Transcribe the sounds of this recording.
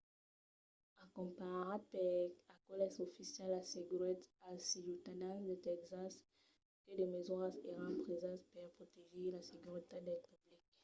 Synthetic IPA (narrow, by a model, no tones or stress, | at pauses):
akɔ̃paʁapɛakɔlɛsofisjɛlːaseɡyʁɛt̪asijut̪anasd̪et̪ɛkzas | kəd̪emezwɔãseʁãpχezãtpɛʁpχot̪eʒelaseɡyʁit̪ad̪ɛt̪ablik